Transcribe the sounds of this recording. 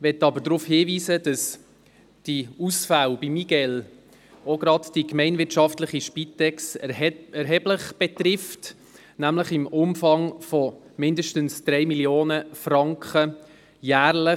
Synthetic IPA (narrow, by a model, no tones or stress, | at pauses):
ʋɛtːɑbəɾdɾufhiːʋiːsəd̥ɑs | d̥iusfæwb̥imiɡ̥ɛl | oɡɾɑtd̥ikmɛɪnvɪtʃɑftləχiʃpitɛksɛɾɦɛbləχb̥ɛtɾɪft | næmləχɪmʊmfɑŋfɔmɪndəʃtənsd̥ɾɛjmiljoːnəfrɑŋkχə | jæːɾlə